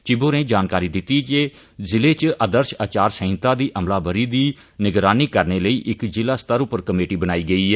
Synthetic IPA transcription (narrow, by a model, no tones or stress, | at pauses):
t͡ʃɪboːnẽːd͡ʒaːnkaːɾiːd̪ɪt̪ːiːt͡ʃeː | zɪleːt͡ʃʔəd̪əɾʃaːt͡ʃaːɾsəɪ̃nt̪ãːd̪iːʔəmlaːbəɾiːd̪iː | nɪɡɾaːniːkəɾneːləiːʔɪkd͡ʒɪlaːst̪əɾʊpəɾkəmeːʈiːbənaːiːɡəiːɛː